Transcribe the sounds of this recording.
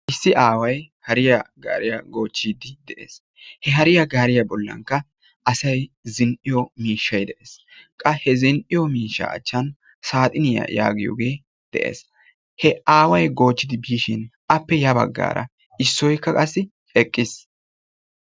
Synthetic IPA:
ʔɪsːɪʔaːwɐjhɐɾɪjaɡa̰ːɾɪjɐ̰ɡo̞ːt͡ʃːiːd̪ɪd̪ɛʔḛːs | hɛɦɐɾɪjɐɡaːɾɪjɐbɔlːɐ̰ŋkːɐ | ɐsɐjzɪnʔɪjɔmiːʃːɐjd̪ɛʔeːskʼɐhɛzɪnʔɪjɔmiːʃːɐ̰ɐ̰t͡ʃːɐn | saːt̪ʼɪnɪjɐ̰ja̰ːɡɪjo̰ːɡe̞ː | d̪̥ɛ̰ʔḛːs | hɛaːwɐjɡo̞ːt͡ʃːɪd̪ɪbiːʃɪnʔɐpːɛjɐbɐ̰ɡːa̰ːɾɐ̰ | ɪsːɔjkːɐkʼɐsːɪ | ɛkʼːɪs

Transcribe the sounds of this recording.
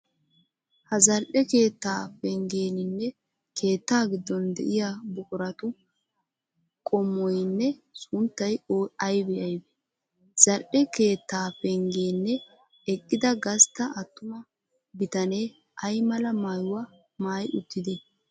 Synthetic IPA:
hɐzɐlʔɛke̞ːt̪ːaːpɛŋɡe̞ːnɪnːɛ | kʰe̞ːt̪ːaːɡɪd̪ːɔnd̪ɛ̰ʔɪjabʊkʼʊɾɐt̪ʊ | kʼɔmːɔjnːɛsʊnt̪ːɐjoːɐjbɛɐjbɛ | z̥ɐlʔɛke̞ːt̪ːaːpɛŋɡeːnːɛ | ɛkʼːɪd̪ɐɡɐst̪ːɐɐt̪ːʊmɐ | bɪt̪ɐne̞ː | ʔɐjmɐlɐmaːjʊwɐ | maːjʊt̪ːɪd̪ɛ

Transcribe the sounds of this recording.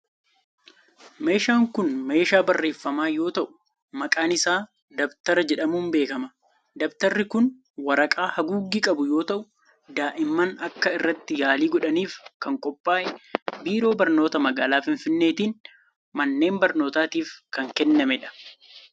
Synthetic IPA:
me̞ːʃaːŋkʊnme̞ːʃaːbɐrːe̞ːfːɐmaːjo̞ːt̪ɐʔʊ̥ | mɐkʼaːnɪsaː | d̪ɐbt̪ɐɾɐd͡ʒɛᶑɐmuːnbe̞ːkɐmɐ | d̪ɐbt̪ɐrːɪkʊn | wɐɾɐkʼaːhɐɡuːɡːikʼɐbʊjo̞ːt̪ɐʔʊ | d̪aːʔɪmːɐnɐkːɐɪrːɐt̪ːɪjaːliːɡɔᶑɐniːfkɐŋkʼɔpʼːaːʔɛbiːɾo̞ːbɐɾno̞ːt̪ɐmɐɡaːlaːfɪnfɪnːe̞ːt̪iːn | mɐnːe̞ːmbɐɾno̞ːt̪aːt̪iːfkɐŋkɛnːɐmɛᶑɐ̥

